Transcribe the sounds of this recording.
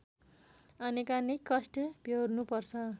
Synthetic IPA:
ʌnikanekʌsʈʌbʱjowrnupʌrt͡sʰʌ

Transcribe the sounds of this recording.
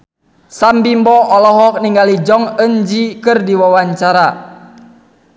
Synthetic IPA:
sambimbɔʔɔlɔɦɔk̚niŋɡalid͡ʒɔŋəɲd͡ʒikɨrdiwawaɲt͡ʃaɾa

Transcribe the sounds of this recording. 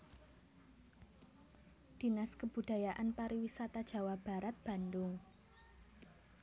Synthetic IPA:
d̪̥i̤naskəb̥ud̪̥a̤jaʔanpaɾiwisat̪ad̥ʒ̥ä̤wab̥a̤ɾat̪̚b̥a̤nd̪ʊŋ

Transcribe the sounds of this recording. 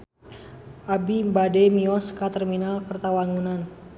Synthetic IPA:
ʔabibadɛmiɔskat̪ərminalkərt̪awaŋunan

